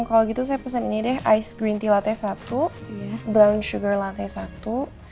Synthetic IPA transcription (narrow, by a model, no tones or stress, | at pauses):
kaloɡit̪us̬ajapəs̬aninidɛɦʔajsɡɾint̪ilat̪ɛsat̪ujabɾawnʃuɡərlat̪ɛsat̪u